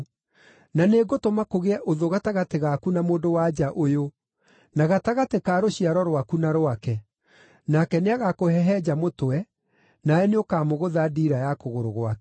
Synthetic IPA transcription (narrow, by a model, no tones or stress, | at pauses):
naneɡotomakoɣeɛʔoðoɣataɣateɣakunamoːndowad͡ʒaʔojo | naɣataɣatekaːɾoɕiaɾɔɾwakunaɾwakɛ | nakɛneaɣakohɛɦɛd͡ʑamotoɛ | naɛneokaːmoɣoðadiːɾajakoɣoɾoɣwak